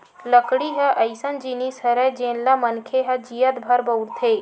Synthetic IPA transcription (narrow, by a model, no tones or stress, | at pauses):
ləkɽiɦəʔɐjsənd͡ʒinisəɾəd͡ʒẽːnlamənkʰeɦɐd͡ʒijət̪bʱɐɾbəwɾt̪ʰeː